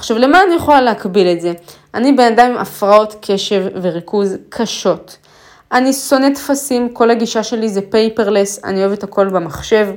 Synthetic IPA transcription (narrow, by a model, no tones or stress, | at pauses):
χʃavle̞maːnijeχo̞laleɦakbiletze̞ʔanibe̞nadamimʔa̰fʁao̞tkʰe̞ʃe̞vːe̞ʁikuzkʰaʃo̞t | ʔaniso̞ne̞tfasimko̞lhaɡiʃaʃe̞lizepe̞jpe̞ʁle̞sa̰nio̞evethako̞lbemaχʃe̞v